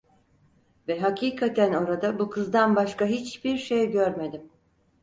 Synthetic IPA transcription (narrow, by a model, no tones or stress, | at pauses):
vɛɦacʰiːkʰat̪ʰæno̞ɾad̪abukʰɯzd̪anbaʃkaɦit͡ʃbiɾʃejɟøɾme̞d̪im